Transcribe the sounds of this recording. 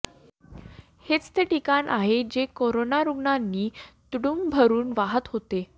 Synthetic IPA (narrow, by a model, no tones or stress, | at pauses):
het͡st̪eʈikanaɦed͡ʑekoɾonaɾuɡɳanːiːt̪ɽumbʱəɾuːnʋaɦət̪ɦot̪e